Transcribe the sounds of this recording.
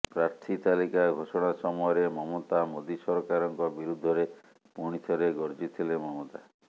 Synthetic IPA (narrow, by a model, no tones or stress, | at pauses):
pɾaɾt̪ʰit̪alikaɡʱosɔɽ̃asɔmɔjɔɾemɔmot̪amod̪isɔɾɔkaɾɔŋkɔbiɾud̪ʱːɔɾe | puɽ̃it̪ʰɔɾeɡɔɾd͡ʒit̪ʰilemɔmot̪a